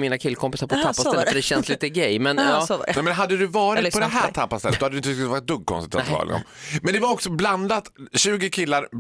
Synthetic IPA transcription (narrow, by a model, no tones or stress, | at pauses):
miːnakʰɪlkʰɔmpɪsaɾpʰɔt̪ʰapːasɛlːət̪fəɖ̪ɛɕɛnsliːt̪əɡɛjmɛnɔɛmɛnɦad̪ːəd̪ɵvɑːɾɪpɔd̪ɛɦæːt̪ʰapːast̪ɛlːt̪d̪ɔhad̪d̪ɵɪnvɑːɾɪt̪̚d̪ɵɡ̚kʰɔ̰nst̪ɪt̪ʰːaɑ̰ːɾ̰lɛ̰ɡɔ̰mɛnd̪ɛvaɾɔksɔbland̪at̪ɕʉ̟ːɡɪkʰɪlːaɾ